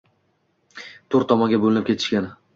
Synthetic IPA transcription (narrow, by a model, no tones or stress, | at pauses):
t̪ʰoɾt̪ʰːɒmɒŋɡʲabolɪnɪpkʰʲe̞t̪ʰɪʃkʲanɪ